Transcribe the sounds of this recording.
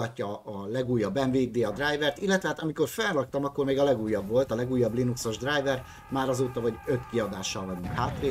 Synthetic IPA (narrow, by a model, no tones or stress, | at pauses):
ɒcːɒːlɛɡuːjːɒbːɛɱveːd̪eːɒd̪raːjvɛrt̪ilːɛt̪ʋɛɦat̪ɒmiko̞rfɛnrɒkt̪ɒmɒkːo̞rmeːɡɒlɛɡuːjːɒbvo̞lt̪ɒlɛɡuːjːɒblinukso̞ʒd̪rajvɛr | maːɾɒzoːt̪ɒvɒɟø̞t̪kiɒd̪aːʃːɒlvɒɟuŋkhaːt̪ʋeː